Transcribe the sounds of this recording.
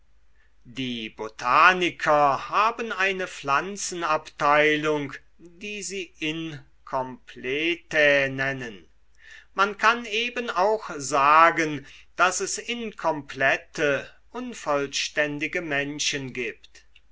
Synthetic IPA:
diːbotʰaːnɪkʰɐhaːbənaɪnəflant͡sn̩aptaɪlʊŋk | diːziːɪn | kʰɔmpʰleːtenɛnən | mankʰaneːbənaʊxzaːɡənd̥asɛsɪnkʰɔmplɛtʰə | ʔʊnfɔlʃtɛndɪɡəmɛnʃənɡiːpt

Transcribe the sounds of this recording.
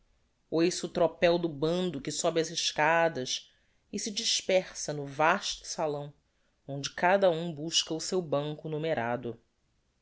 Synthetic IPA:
ojsut̪ɾopɛwd̪ʊbɐ̃nd̪ʊkɪsɔbɪɐzɪʃkad̪ɐʃ | ɪsɪd͡ʒiʃpɛχsɐnʊvaʃt̪ʊ̥salɐ̃w̃ | õnd͡ʒɪkad̪ɐũbuʃkɐʊsewbɐ̃ŋkʊnumeɾʔa̰d̪ʊ

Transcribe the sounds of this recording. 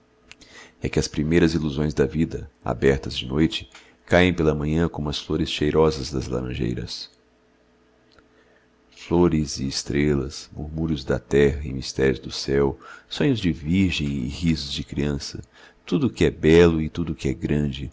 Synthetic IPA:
ɛkɪɐspɾimejɾɐziluzõj̃zd̪ɐvid̪ɐa̰bɛɾt̪ɐzd͡ʒɪnojt͡ʃɪ̥ | kajẽj̃pelɐmɐ̃ɲɐ̃kõmʊɐsfloɾɪsʃejɾɔzɐzd̪ɐzla̰ɾɐ̰̃ʒḛjɾɐ̰s | floɾɪzɪːst̪ɾelɐsmuɾmuɾjʊzd̪ɐ̰t̪ɛɦɐɪ̰̃mist̪ɛɾjʊzd̪ʊsɛwsõɲʊzd͡ʒɪviɾʒẽj̃ɪ̰hizʊzd͡ʒɪkɾiɐ̃sɐ̰ | t̪ud̪ʊkɪɛbɛlʊɪt̪ud̪ʊkɪɛɡɾɐ̃d͡ʒɪ

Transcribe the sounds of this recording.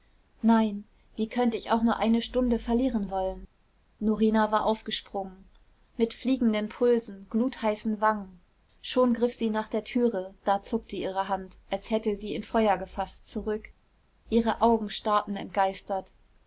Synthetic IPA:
naɪn | v̥iːkʰœntəɪça̰ʊχnuːɐʔaɪnəʃtʊndəfɛɐliːʁənvɔlən | noʁiːnavaːɐʔaʊfɡ̥əʃpʁ̥ʊŋən | mɪtfliːɡŋ̩dənpʰʊlzn̩ɡ̥luːthaɪsn̩vaŋən | ʃoːnɡʁɪfz̥iːnaːχd̥eːɐtʰyːʁəd̥aːt͡sʊk̚təʔiːʁ̞əɦantʔalshɛtəziːɪnfɔʏɐɡəfastt͡suʁʏk | ʔiːʁəʔaʊɡŋ̩ʃtaɐtn̩ɛ̰nt̚ɡ̥aɪstɐt

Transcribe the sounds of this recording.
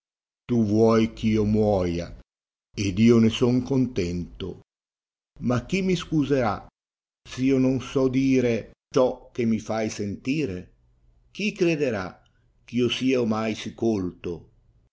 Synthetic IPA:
t̪uvwɔjk̟iːomwɔːja̰ | ed̪iːonesɔŋkont̪ɛnt̪o̰ | mak̟ːimːiskuzeɾa | siːononsɔd̪iːɾet͡ʃɔk̟ːemifajsent̪iːɾe | k̟ikɾed̪eɾa | k̟iːosiːaomajsikolt̪o

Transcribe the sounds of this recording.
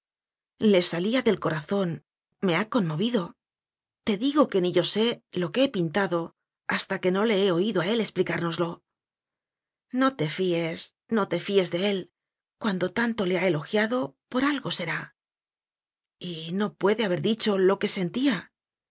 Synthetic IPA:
le̞saliaðe̞lko̞ɾaθo̞n | me̞ako̞nmo̞βiðo̞ | t̪e̞ðiɣo̞ke̞niʝo̞se̞lo̞keepint̪aðo̞ | ast̪ake̞no̞le̞eo̞iðo̞ae̞le̞splikaɾno̞zlo̞ | no̞t̪e̞fies | no̞t̪e̞fie̞zðe̞e̞l | kwand̪o̞t̪ant̪o̞le̞ae̞lo̞xjaðo̞po̞ɾalɣo̞se̞ɾa | ino̞pwe̞ðeaβe̞ɾðit͡ʃo̞lo̞ke̞se̞nt̪ia

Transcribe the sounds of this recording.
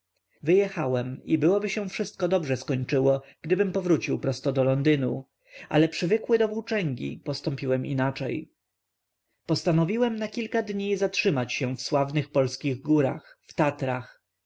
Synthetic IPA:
vɘjɛxawɛmibɘwɔbɘɕɛ̃fʂɘst̪̚kɔd̪ɔbʐɛskɔɲt͡ʂɘwɔɡ̥d̪ɘbɘmpɔvɾut͡ɕiwpɾɔst̪ɔd̪ɔlɔnd̪ɘnu | ʔa̰lɛpʂɘvɘkwɘd̪ɔvuwt͡ʂɛŋɡʲḭpɔst̪ɔmpʲiwɛmḭnat͡ʂɛj | pɔst̪anɔvʲiwɛmnakʲilkad̪ɲizatʂɘmat͡ɕɕɛfswavnɘxpɔlskʲiɣɡuɾa̰xft̪at̪ɾax

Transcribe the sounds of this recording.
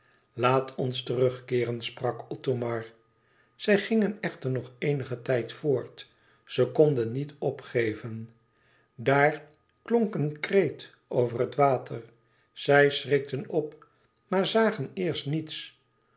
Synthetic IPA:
laːtʰɔnstərɵχkɪːrənsprɑkɔtomɑɹ | z̥ɛjχɪŋənɛχtəɹnɔχejnəχətɛjtfʊːɹt | səkɔndənːitɔpχejvən | daːɹ | klɔŋkənkrejt | ʔowvərətʋaːtʰəɹ | z̥ɛjsrɪk̚tənɔp | maːɹzaːχənɪːɹstnits

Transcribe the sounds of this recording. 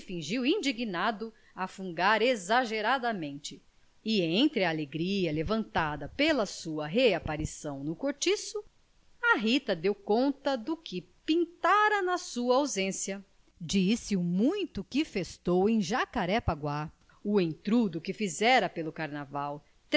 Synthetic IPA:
fĩʒiwĩnd͡ʒiɡinad̪ʊ | ɐfũŋɡaɾezaʒeɾad̪ɐmẽnt͡ʃɪ | ɪẽt̪ɾɪɐːleɡɾiɐlevɐ̃nt̪ad̪ɐpelɐsuɐɦeapaɾisɐ̃w̃nʊkoɾt͡ʃisʊ | ɐɦit̪ɐd̪ewkõnt̪ɐd̪ʊkɪ | pĩnt̪aɾɐnɐsuɐawzẽsjɐ | d͡ʒisɪumũj̃t̪ʊkɪfest̪owẽj̃ʒakaɾɛpaɡwa | ʊẽj̃t̪ɾud̪ʊkɪfizɛɾɐpelʊkaɾnavaw | t̪

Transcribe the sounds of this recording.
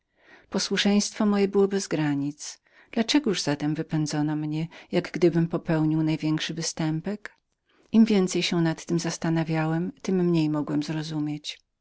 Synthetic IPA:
pɔswuʂɛj̃st̪fɔmɔjɛbɘwɔbɛzɡɾaɲit̪s | d̪̥lat͡ʂɛɡɔuʐzat̪ɛmvɘpɛnd̪zɔnɔmɲɛjaɡɡd̪ɘbɘmpɔpɛwɲiwnajvʲjɛŋkʂɘvɘst̪ɛmpɛk | imvʲjɛnt̪sɛjɕɛnat̪ːɘmzast̪anavʲjawɛmt̪ɘmːɲejmɔɡwɛmzɾɔzumʲjet͡ɕ

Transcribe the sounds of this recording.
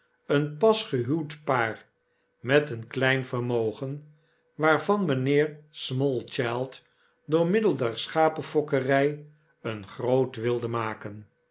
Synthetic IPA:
ənpɑsχəɦywtpaːr | mɛtənklɛjnfərmowχən | ʋaːɹvɑnmənɪːɹsmɔlˠt͡ʃɛlˠt | dʊːɹmɪdəlˠdɛɹsχaːpəfɔkərɛj | ənχrowtʋɪlˠdəmaːkən

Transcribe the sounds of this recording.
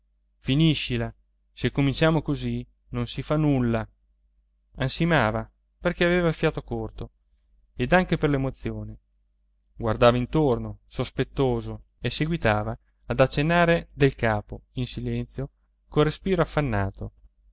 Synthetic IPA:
finiʃːila | sekːomint͡ʃaːmokozi | nonsifanːulːa | ansimaːva | perkeaveːvafjaːt̪okort̪o | ed̪aŋkeperlemot̪sjoːne | ɡward̪aːvaint̪ornosospet̪ːoːzo | eseɡwit̪aːvaː | d̪at͡ʃːenːaːɾed̪elkaːpoinsilɛnt̪sjo | korespiːɾoafːanːaːt̪o

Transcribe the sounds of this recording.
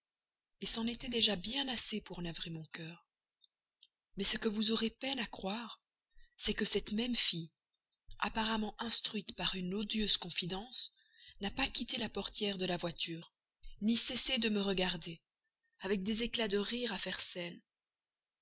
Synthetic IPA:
esɑ̃net̪ɛd̪eʒabjɛ̃nasepuʁnavʁemɔ̃kœːʁ | mɛsəkəvuzoʁepɛnakχwaːʁ | sɛkəsɛt̪mɛmfi | a̰paʁamɑ̃ʔɛ̃st̪χɥit̪paʁynod̪jøz̥kɔ̃fid̪ɑ̃s | napakʲit̪elapɔʁt̪jɛʁd̪əlavwat̪ʰyːʁ | nisesed̪əməʁəɡaʁd̪e | avɛk̚d̪ezeklad̪əʁiʁafɛʁsɛn

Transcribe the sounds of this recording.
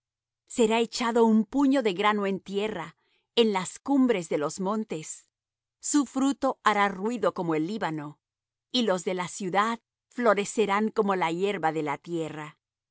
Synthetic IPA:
se̞ɾae̞t͡ʃaðo̞umpuɲo̞ðe̞ɣɾano̞e̞nt̪je̞ra | enlaskumbɾe̞zðe̞lo̞zmõ̞nt̪e̞sː | ufɾut̪o̞aɾarwiðo̞ko̞moelːiβano̞ | ilo̞zðe̞lasjuðað | flo̞ɾe̞se̞ɾaŋko̞mo̞laje̞ɾβaðe̞lat̪je̞ra

